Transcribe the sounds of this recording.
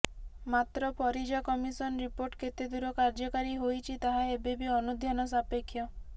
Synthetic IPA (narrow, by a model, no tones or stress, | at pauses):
mat̪ɾɔpʰɔɾid͡ʒakɔmisɔnɾipoɾʈkʰet̪ed̪uɾɔkaɾd͡ʒɔkaɾiɦojt͡ʃʰit̪aɦaebebiɔnud̪ʱjanɔs̬apekʰːjɔ